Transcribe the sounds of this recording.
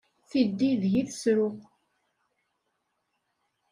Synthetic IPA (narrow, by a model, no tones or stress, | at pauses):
θid̪ːiðʝiθəsɾʊq